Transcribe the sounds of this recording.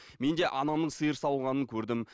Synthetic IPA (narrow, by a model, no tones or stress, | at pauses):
me̞nd̪e̞ʔɑnɑmnəɴsəjəɾsɑwʁɑnəŋkʲʰɵɾd̪ɪm